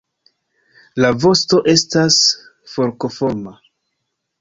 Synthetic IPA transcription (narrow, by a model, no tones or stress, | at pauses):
lavo̞sto̞ʔe̞stas | fo̞ɾko̞fo̞ɾma